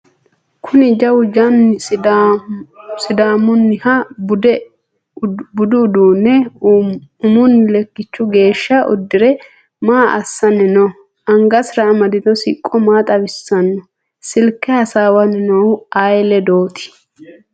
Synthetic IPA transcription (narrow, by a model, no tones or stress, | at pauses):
kʰʊnɪd͡ʒɐwʊd͡ʒɐn | sɪd̪aːmʊnːɪhɐ | bʊd̪ʊːd̪uːnːɛ | ʊmʊnːɪlɛkːɪt͡ʃːʊɡe̞ːʃːɐʔʊ̰d̪ːɪɾɛ | maːʔɐ̰sːɐnɛnɔ | ɐŋɡɐsɾɐːmɐd̪ɪd̪ɔsɪ̰kʼːɔmaːt̪ʼɐwɪsːɐnːɔ | sɪlkːɛhɐsaːwɐnɪnoaːjlɛd̪o̞ːt̪ʰɪ̥